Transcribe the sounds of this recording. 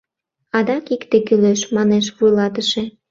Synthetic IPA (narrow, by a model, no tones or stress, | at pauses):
ɑd̪ɑkikt̪ekyløʃmɑneʃβujlɑt̪əʃe